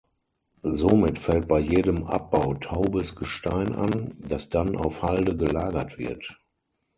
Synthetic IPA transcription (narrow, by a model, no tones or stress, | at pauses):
zomɪtfɛlt̚b̥aɪjeːdəmʔa̰p̚b̥aʊtʰaʊbəsɡ̥əʃtaɪnʔa̰ndasd̥anʔa̰ʊfhaldəɡəlaːɡɐtv̥ɪ̰ɐt